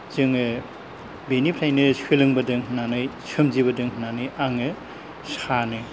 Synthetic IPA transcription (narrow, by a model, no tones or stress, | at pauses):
zɯŋɯ | benipʰɾajnɯswelɯŋbɐdɯŋnanɯjsʰɯmzibɐdɯŋnanɯjʔaŋɯ | sanɯ